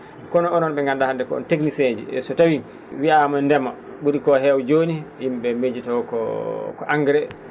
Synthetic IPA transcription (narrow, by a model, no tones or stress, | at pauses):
kɔnɔɔnɔnɓɛŋɡandahandɛkɔ̰ɔ̰nteknised͡ʒḭɛ̰sɔtawi | wiamɔɛndɛmːa | ɓuɾikɔɦɛwd͡ʒoːnihimɓɛmed͡ʒitɔkɔkɔʔaŋɡɾɛ